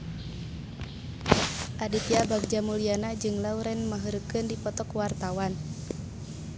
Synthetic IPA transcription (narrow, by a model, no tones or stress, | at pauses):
ʔadip̪iabaɡ̚d͡ʒamulianad͡ʒɨŋlauɾɛnmaɦəɾəkɨndipɔt̪ɔkwart̪awan